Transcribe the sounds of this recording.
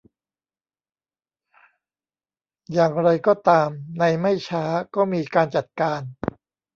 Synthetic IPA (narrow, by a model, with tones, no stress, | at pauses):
jaː˨˩ŋɾa˧jkɔː˥˩t̪aː˧mna˧jma˥˩jt͡ɕʰaː˦˥kɔː˥˩miː˧kaː˧nt͡ɕa˨˩t̪̚kaː˧n